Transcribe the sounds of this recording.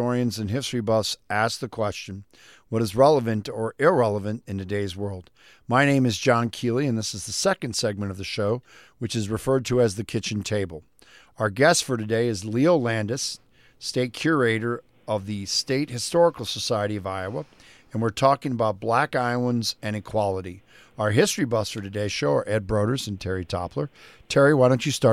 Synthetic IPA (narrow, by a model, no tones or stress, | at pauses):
ɔɹiɨ̃nzɨ̃nɦɪstɹ̥ibʌsæsk̚ðɨkʰw̥ɛst͡ʃɨ̃n | wʌɾɨzɹɛlˠəvɨ̃ntə˞ɪɹɛlˠəvɨ̃ntɨ̃ntɨdeɪzwɜ˞lˠd̚ | maɪnẽɪ̃mɨzd͡ʒɑ̃nkʰilˠiɨ̃nðɪsɨzðɨsɛkɨ̃n̩d̥sɛɡ̚mɨ̃ɾ̃ʌvðɨʃoʊ | wɨt͡ʃɨzɹɨfɜ˞d̚tʰɨːzðɨkʰɪt͡ʃɨ̃n̩tʰeɪbəl̩ˠ | aʊə˞ɡɛstfə˞ɾɨdeɪɨzlioʊlæ̃ndɨs | teɪt̚kʰj̥ʊɹeɪɾə˞ | ʌvðɨsteɪt̚hɨstɔɹəkl̩ˠsəsaɪɨɾiʌvaɪəwəɨ̃nwɨɹtʰɔkɪ̃ŋəbaʊt̚b̥lækaɪlˠə̃nzɨ̃ñɨkʰw̥ɑlˠəɾi | aʊə˞ɦɪstɹ̥ibʌsfə˞ɾɨdeɪʃoʊə̰˞ʔɛd̚bɹoʊɾə˞zɨ̃n̩tʰɛɹitʰɑ̰pʰlə˞ | tʰɛɹiwaɪɾõʊ̃nt͡ʃɨstɑ